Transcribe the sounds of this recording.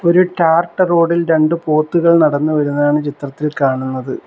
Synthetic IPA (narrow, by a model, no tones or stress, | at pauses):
o̞ɾuʈaːrʈːɨro̞ːɖilɾe̞ɳɖɨpo̞ːt̪ːuɣɐɭnɐɽɐnːuʋɐɾunːaːɳɨt͡ɕit̪rɐt̪ːilkaːɳunːɐðɨ